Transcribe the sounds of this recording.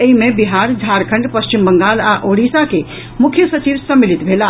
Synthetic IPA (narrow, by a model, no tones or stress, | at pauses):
əimebiɦaɾd͡ʒʱaɾkʰəɳɖpəst͡ʃimbəŋɡalaʔoɽisake | mukʰjəsət͡ʃiʋsəmːilit̪bʱela